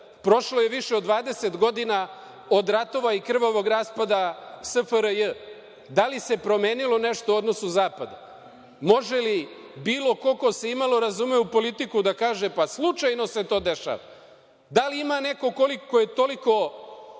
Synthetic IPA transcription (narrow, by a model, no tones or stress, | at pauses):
pɾo̞ʃlo̞je̞ʋiʃeod̪ːʋaːd̪eset̪ɡo̞d̪ina | od̪ɾat̪o̞ʋaikr̩ʋoʋo̞ɡɾaspad̪asəfəɾəjə | d̪alise̞pɾo̞meːnilo̞ne̞ʃt̪oo̞d̪no̞suzaːpad̪a̰ | mo̞ʒe̞li | biːlo̞ko̞ko̞se̞imalo̞ɾazumeupo̞lit̪ikud̪akaːʒe̞paslˠut͡ʃajno̞se̞t̪o̞ːd̪e̞ʃa̰ʋa̰ | d̪aliimane̞ko̞kolikkːojet̪oliko̞